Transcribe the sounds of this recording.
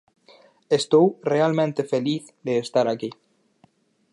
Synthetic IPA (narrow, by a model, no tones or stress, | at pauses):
est̪owrealmẽnt̪efeliθ | ðeːst̪aɾaki